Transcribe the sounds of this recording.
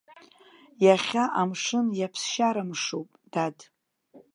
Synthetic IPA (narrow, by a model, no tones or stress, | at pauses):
jaχʲaʔamʂɨnjapʰsʃaɾamʂowpʼd̥ad